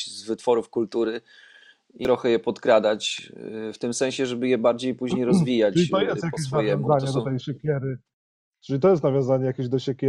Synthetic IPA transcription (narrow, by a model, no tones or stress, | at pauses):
zvɘt̪fɔɾufkult̪uɾɘ | ʔiɾɔxɛjɛpɔt̪kɾad̪at͡ɕft̪ɘmsɛ̃ñɕɛʐɛbɘjɛbaɾd͡ʑejpuʑɲejɾɔzvʲijat͡ɕʲit̪ɔjɛst̪jakʲeɕ̬navjɔ̃ñzaɲɛd̪ɔt̪ɛjɕɛkʲɛɾɘ | ʈ͡ʂɘlʲit̪ɔjɛst̪navʲjɔ̃nzaɲɛjakʲeʑd̪ɔɕɛkʲɛ